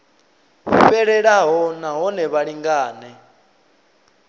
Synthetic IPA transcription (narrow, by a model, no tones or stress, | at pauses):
ɸɛɺɛɺaɦɔnaɦɔnɛβaɺiŋɡaːnɛ